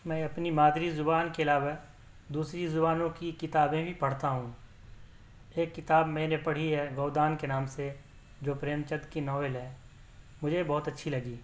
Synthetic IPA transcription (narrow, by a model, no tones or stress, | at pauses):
mɛ̃ːɐpnimaːd̪ɾizʊbaːnkeɐlaːʋa | d̪uːsɾizʊbaːnõkikɪt̪aːbẽbʱipɐɽ̤t̪aɦũ | eːkːɪt̪aːbmɛ̃ːnepɐɽ̤iɦɛɡoːd̪aːnkenaːmse | d͡ʒoːpɾeːmt͡ʃəd̪kinɔːʋelɦɛː | mʊd͡ʒʱebɔːt̪ɐtːʃʰilɐɡiː